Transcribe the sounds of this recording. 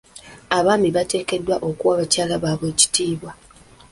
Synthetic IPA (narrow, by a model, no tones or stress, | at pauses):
aβaːmiβate̞ːke̞dːwaʔo̞kuwaβacaːlaβaːβwe̞ːci̥tiːβwa